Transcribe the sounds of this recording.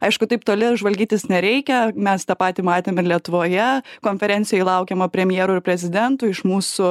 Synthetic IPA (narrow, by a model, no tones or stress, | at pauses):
ɐɪʃkʊt̪ɐɪp̚t̪oːlʲɪʒʋɐlʲɡʲiːt̪ʲɪsnʲɛɾʲɛɪkʲɛmʲɛst̪ɑːpɑːt̪ʲiːmɑːt̪ʲemɪɾlʲiɛt̪ʊʋoːjɛkoːnʲfʲɛɾʲɛnʲt͡ssʲɪjɛɪlˠɐʊkʲɛmɐpʲɾʲɛmʲjeːɾʊɪɾpʲɾʲɛzʲɪd̪ʲɛnt̪ʊːɪʃmuːsʊ